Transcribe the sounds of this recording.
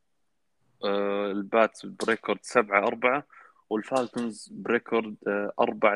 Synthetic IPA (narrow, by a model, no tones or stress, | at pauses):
ɪlbaːt̪bɾɪkoɾˤd̪sabʕaʔɑɾˤbaʕa | wɪlfaːlt̪ʊnzbɾɪkʰoɾˤd̪ʔɑ̰ɾˤbaʕ